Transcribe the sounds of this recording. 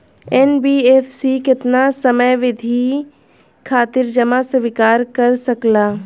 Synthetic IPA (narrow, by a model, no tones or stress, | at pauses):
ɛːnbiːeːfsikɪt̪nasɐməjʋɪd̪ʱi | kʰaːt̪ɪɾd͡ʒɐmasʋɪkaːɾkɐɾsɐklaː